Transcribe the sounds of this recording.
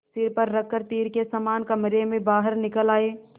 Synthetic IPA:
sɪɾpəɾːəkːəɾt̪iːɾkesamaːnkɐmɾemẽbaːɦəɾnɪkəlaːeː

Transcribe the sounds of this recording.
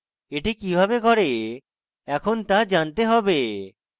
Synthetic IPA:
eʈikibʱabekɔɾe | ɛkʰont̪ad͡ʑant̪eɦɔbe

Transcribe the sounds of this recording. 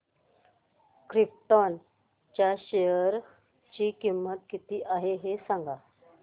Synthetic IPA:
kɾip̚ʈɔn | t͡ɕjaɕejəɾ | t͡ɕiːkimːət̪kit̪iːʔaɦeɦesaŋɡa

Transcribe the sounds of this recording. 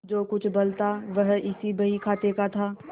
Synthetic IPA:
d͡ʒoːkʊt͡ʃʰbɐlt̪aʋɐɦɪsibɐɦikʰaːt̪ekat̪ʰaː

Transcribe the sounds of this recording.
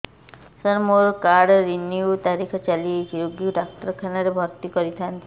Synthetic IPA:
sɔɾmoɾkaɽɾiniut̪aɾikʰɔt͡ʃaliekiɾoɡjuɖak̚ʈɾkʰanɔɾebʱɔɾt̪ikɔɾit̪ʰant̪ʰi

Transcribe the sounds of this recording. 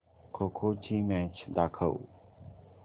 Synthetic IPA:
kʰoːkʰoːt͡ʃʰiːmẽːt͡ʃʰd̪aːkʰə̰ṵː

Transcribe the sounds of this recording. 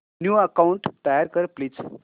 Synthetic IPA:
njuːəkauɳʈt̪ajaɾkəɾpliːd͡z

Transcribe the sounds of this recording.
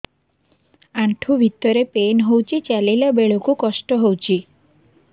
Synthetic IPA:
aɳʈʰubʱit̪ːɔɾepenɦowt͡ʃʰit͡ʃalilabeɭokukɔsʈɔɦowt͡ʃʰi

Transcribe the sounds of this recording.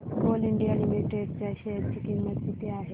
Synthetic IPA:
koliɳɖijalimiʈeɖt͡ɕjaɕet͡ɕikimːət̪sit̪eaɦe

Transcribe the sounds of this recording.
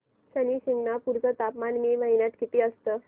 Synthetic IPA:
ɕəniːɕiŋɡnapuɾt͡sət̪apmanmiməɦinjat̪kit̪iːəst̪əː

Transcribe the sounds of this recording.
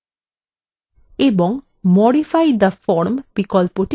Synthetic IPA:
ebɔŋ | mɔɽifajd̪ɐfɔɾmbikɔlpoʈ

